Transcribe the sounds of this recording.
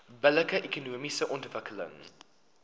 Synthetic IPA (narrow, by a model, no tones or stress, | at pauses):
bələkəʔɛkunuːmisəʔɔntvəkʰələ̰ŋ